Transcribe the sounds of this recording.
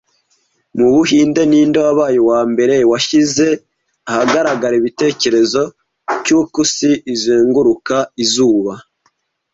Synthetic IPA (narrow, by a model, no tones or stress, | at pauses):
muβuhiːnde̞niːndowaβaːjowaːmbe̞ɾe̞waʃize̞ | ahaɡaɾaɡaɾiβite̞ːce̞ɾe̞zo̞ | cukusiʔizeːŋɡuɾukaizuːβa